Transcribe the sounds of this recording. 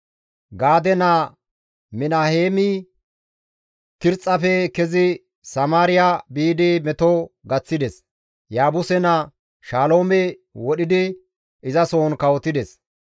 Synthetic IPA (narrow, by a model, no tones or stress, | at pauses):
ɡaːd̪ɛna | mɪnaheːmɪ | kɪɾt͡sʼːɐfɛkɛzɪ | sɐmaːɾɪjabiːd̪ɪmɛt̪oɡɐt͡sːɪd̪ɛs | jaːbʊsɛnɐ | ʃaːlo̞ːmɛ | wɔɗɪd̪ɪ | ʔɪzɐsoːnkɐwɔt̪ːɪd̪ɛs